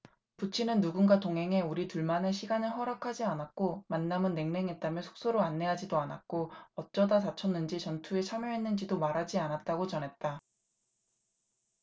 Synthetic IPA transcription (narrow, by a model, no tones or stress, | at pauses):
put͡ɕʰinɯnːuɡunɡatoŋɦe̞ŋe̞uɾituɭmane̞ɕʰiɡanɯɭɦʌɾakʰad͡ʑianak͈omanːamɯnːe̞ŋne̞ŋɦe̞t̚t͈amjʌsʰo̥k̚s͈oɾoanːe̞ɦad͡ʑidoana̰k͈oʌt̚t͡ɕ͈ʌdatat͡ɕʰʌnːɯnd͡ʑit͡ɕʌntʰue̞t͡ɕʰamjʌɦe̞nːɯnd͡ʑidomaɾɦad͡ʑianat̚t͈aɡot͡ɕʌnɦe̞t̚t͈a